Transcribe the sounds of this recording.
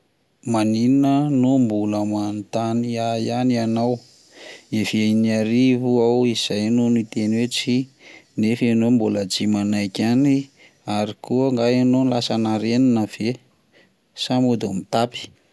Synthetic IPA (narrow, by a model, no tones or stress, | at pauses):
maninənombuləmant̪aniajanianaw | efajniaɾivuawiz̥ajnonuit̪enwet͡sinefenombuləd͡ʒimanajkʲani | aɾikuəŋɡaenonilasanaɾeninəv̥e | samud̪omit̪api̥